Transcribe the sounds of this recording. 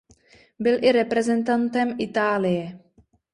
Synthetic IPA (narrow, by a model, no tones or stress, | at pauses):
bɪlʔɪɾɛpɾɛzɛnt̪ant̪ɛmʔɪt̪aːlɪjɛ